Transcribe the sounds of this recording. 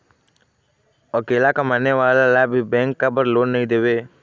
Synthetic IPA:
əkeːlakɐmaːneʋaːlalajbʱibɛ̃ːŋkːabəɾloːnːɐɦĩd̪eːʋeː

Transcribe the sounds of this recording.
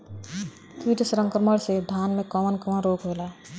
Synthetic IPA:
kiːʈsɾə̃ŋkəɾməɽsed̪ʱaːnmẽkəmənkəmənɾoːkɦola

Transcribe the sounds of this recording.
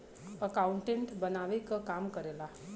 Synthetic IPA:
əkauɳʈẽɳʈbənaʋekkamkəɾela

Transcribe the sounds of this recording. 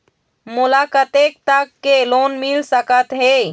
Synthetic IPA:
mulakət̪ek̚t̪əkːelonmilsəkət̪ɦe

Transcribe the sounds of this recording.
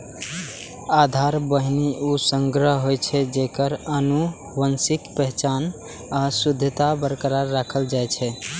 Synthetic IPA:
ad̪ʱaɾbəɦniʔusəŋɡɾəɦɦojt͡ʃʰɛd͡ʒekəɾənu | wənsikpɛɦt͡ʃan | asud̪ʱːət̪abəɾkɾaɾːakʰəld͡ʒajt͡ʃʰɛ

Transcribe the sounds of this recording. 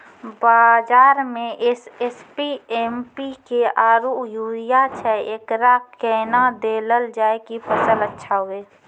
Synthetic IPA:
baːd͡ʒaːɾmẽʔɪsespiempikeaːɾujuːɾɪjat͡ʃʰɛeːkɾakɛːnad̪eːləld͡ʒaːekipʰəsələtːʃʰaɦoeː

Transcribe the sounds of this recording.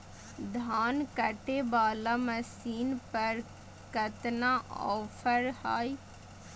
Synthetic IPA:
d̪ʱaːnkəʈebaːlaːməsiːnpəɾ | kət̪naʔɔːpʰəɾha̰ːi

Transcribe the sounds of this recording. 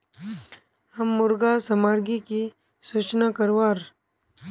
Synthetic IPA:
hɐmːʊɾɡasɐmaːɾɡiki | sut͡ʃnakɐɾwaːɾ

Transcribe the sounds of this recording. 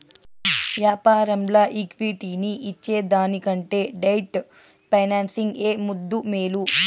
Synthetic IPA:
ʋjaːpaːɾɐmlɐʔikʋiʈiːniʔːt͡ʃːe̞ːd̪aːnikɐɳʈe̞ːɖɐjʈ | pɐjnaːnsiŋɡeːmud̪ːumeːlu

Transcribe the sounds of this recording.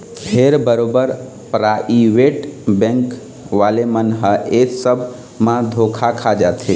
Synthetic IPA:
pʰeɾbəɾobəɾ | pɾaʔiʋeʈbɛ̃ŋk | ʋalemənɦəʔesəbʱ | mãd̪ʱokʰakʰad͡ʒat̪ʰe

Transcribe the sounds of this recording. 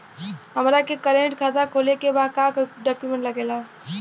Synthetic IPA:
ɦɐmɾakekəɾẽɳʈkʰaːt̪akʰoːlekebaːkaːkɖɔːkjumẽɳʈlɐɡeːlaː

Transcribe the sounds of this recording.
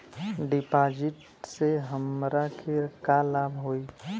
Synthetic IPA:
ɖɪpaːd͡ʒɪʈ | seɦəmɾakʰeɾkalaːbʱɦoːi

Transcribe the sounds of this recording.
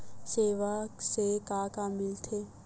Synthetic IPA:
seːʋasekaːkamɪlt̪ʰe

